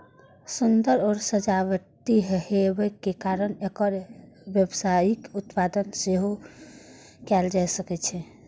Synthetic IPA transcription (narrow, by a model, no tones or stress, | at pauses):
sund̪əɾɔːɾsəd͡ʒaʋət̪iɦhebəkːekaɾənekəɾbjebsaikut̪pad̪ənseɦo | kɛld͡ʒajsəkɛt͡ʃʰɛ